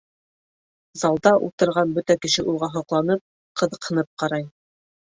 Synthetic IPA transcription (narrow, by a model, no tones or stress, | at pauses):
zɑlˠd̪ɑʔṵlˠt̪ɤ̆ɾʁɑnbɵt̪ækɘ̆ʃɘʔulˠʁɑɦɑqlˠɑnɤp̚ | qɤ̆ðɤ̆qhɤ̆nɤp̚qɑɾɑj